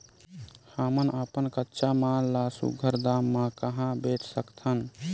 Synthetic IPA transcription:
həmənʔəpənkətːʃamallasṵɡʱəɾd̪amːãkəɦãbeʈʰsəkt̪ʰən

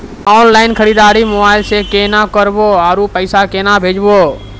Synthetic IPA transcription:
ɔːnlaːɪnkʰəɾiːd̪aːɾiːmʊaːɪlsekeːnãːkəɾboːaːɾuːpəɪsakeːnabʱeːd͡ʒboː

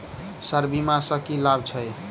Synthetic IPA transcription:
səɾbimãsəkilabt͡ʃʰʌj

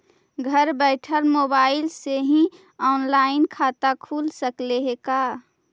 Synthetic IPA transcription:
ɡʱəɾbɛɪʈʰəlmobaɪlseɦĩ | ɔːnlaɪnkʰat̪akʰulsəkleɦeka

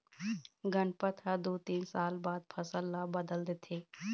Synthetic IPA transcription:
ɡənpət̪ʰad̪oːt̪iːnsaːlbaːd̪̚pʰəsəlːabəd̪əld̪et̪ʰeː

